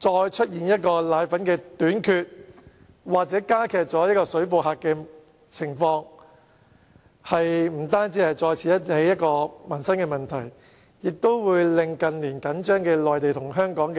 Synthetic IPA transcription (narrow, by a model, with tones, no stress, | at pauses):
t͡sɔː˧jt͡ʃʰɵ˥t̚jiː˨njɐ˥t̚kɔː˧laː˨˥jfɐ˨˥nkɛː˧t̪yː˨˥nkʰyː˧t̚ | waː˨k̚t͡sɛː˨˥kaː˥kʰɛː˨k̚t͡sɔː˨˥jɐ˥kɔː˧sɵ˨˥ɥfu˨˩ɦaː˨˧k̚kːɛː˧ | t͡sʰɪ˨˩ŋfɔː˧ŋ | hɐ˨jm̩˨˩t̪aː˥nt͡siː˨˥hɐ˨jt͡sɔː˧jt͡sʰiː˨˥jɐ˥te˨˥jɐ˥t̚kɔː˧mɐ˨˩nsɐ˥nkɛː˧mɐ˨˩nt̪ʰɐ˨˩j | jɪ˨k̚t̪o˥wwuː˨˧jlɪ˨ŋkɐ˨nliː˨˩nkɐ˨˥nt͡ʃœː˥ŋkɛː˧lɔː˨jt̪e˨jt̪ʰʊ˨˩ŋɦœː˥ŋkɔː˨˥ŋk